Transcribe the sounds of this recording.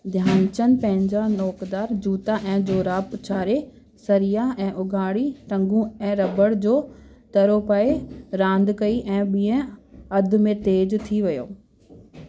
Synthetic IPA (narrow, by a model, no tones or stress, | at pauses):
d̪ʱjaːnt͡ɕənɪ̆pɐ̃ɦɪ̃ɲd͡ʑanɔːkd̪aːɾd͡ʑuːt̪aʔɛ̃ːd͡ʑoːɾaːpʊt͡ɕʰaːɾe | sɐɾijaɛ̃ːʔʊɡʱaːɽiʈɐ̃ŋɡũɛ̃ːɾɐbəɽd͡ʑoː | t̪ɐɾopaːeɾãːnd̪kɐiʔɛ̃ːɓĩːə̃ɐd̪ʱʊmẽt̪eːd͡ʑt̪ʰiʋɐjo̰ː